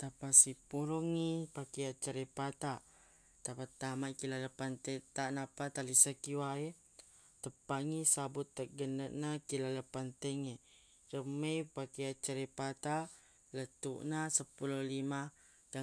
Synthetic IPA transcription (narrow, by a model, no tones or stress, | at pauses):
t̪apasipuɾuŋipakeat͡ʃəɾepat̪a | t̪apat̪amakilaləpant̪et̪aʔnapat̪alisakiwae | t̪əpaŋisabʊt̪ːaʔ̚ɡənəʔnakilaləpant̪əŋe | rəməjpakejat͡ʃaɾepat̪a | lət̪ṵʔnasəpululima | d̥a